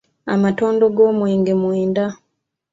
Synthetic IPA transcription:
a̰mato̞ːndo̞ɡo̞ːmweːŋɡemweːnda

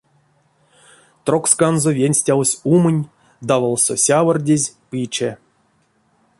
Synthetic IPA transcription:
t̪rokskanzovʲenʲsʲtʲawsʲumɨnʲ | d̪avalˠso̰sʲavərdʲezʲpɨt͡ʃe

